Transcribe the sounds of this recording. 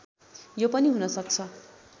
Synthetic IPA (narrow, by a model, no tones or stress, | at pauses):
jopʌniɦunʌsʌk̚t͡sʰʌ